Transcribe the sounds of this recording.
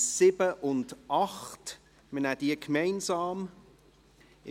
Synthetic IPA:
sɪbəʔʊndʔɑχt | mənæd̥iəkʰmɛɪnsɑːm

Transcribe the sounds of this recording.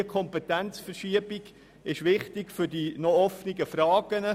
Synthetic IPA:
əkʰɔmpɛtænt͡sfəɾʃiəbiɡ | ɪʃʋɪχtɪɡfʏɾdinɔɔfniɡəfɾɑːɡənə

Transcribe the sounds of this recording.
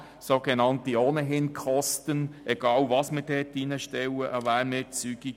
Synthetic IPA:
soɡɛnɑntioːnəɦɪnkʰɔstənʔɛɡ̥ɑːlvɑsmɪɾdɛːtinəʃtɛwəʔəvæːɾmɪːt͡syɡ̥i

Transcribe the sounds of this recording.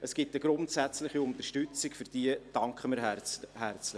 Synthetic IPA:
əsɡ̥ɪtəɡ̥ɾʊntsæt͡slɪχiʊnt̪əɾʃtʏt͡sɪkfʏɾd̥iəd̥ɑŋkχəməɾhært͡slɪ

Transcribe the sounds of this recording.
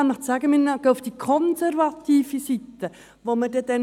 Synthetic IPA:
nəχt͡sæɡəmɪnɡ̥əːʊfd̥ikʰɔnsɛɾvɑt̪ʰiːfisit̪ːə | ʋoməd̥ɛd̥ɛn

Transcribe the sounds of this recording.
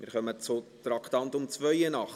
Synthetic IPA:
mɪ̰ːɾχœmət͡sot̪ɾɑkʰtɑnt̪ʊmt͡svœʏənɑχ

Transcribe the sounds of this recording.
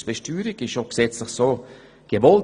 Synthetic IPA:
sb̥ɛʃtyːɾɪkɪʃoɡ̥sɛt͡slɪχsoː | ɡ̥əvɔl

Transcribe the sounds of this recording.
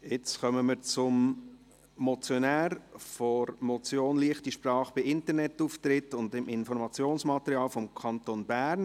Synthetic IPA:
ɪt͡sχœməməɾt͡sʊm | mɔt͡sjonæːɾfɔɾmɔt͡sjoːnliəχtiʃprɑːχb̥ɪɪntəɾnɛtuːftɾɪtʊndɪmɪnfɔɾmɑt͡sjoːnsmɑtəɾiɑːlfɔmkʰɑntonbæːɾn

